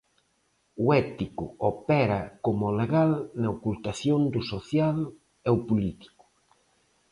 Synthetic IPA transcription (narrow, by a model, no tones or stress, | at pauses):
uɛt̪ikʊopɛɾɐkomʊleɣalnɐokult̪aθjond̪ʊsoθjal | ɛʊpulit̪i̥kʊ̥